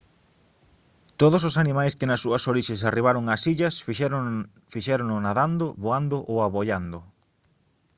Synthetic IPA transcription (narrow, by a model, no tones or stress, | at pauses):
t̪oðososanimajskɪnɐsːuɐsoɾiʃesariβ̞aɾʊŋasiʎɐsf | fiʃɛɾonʊnaðand̪ʊβoand̪ʊʔowaβoʎand̪ʊ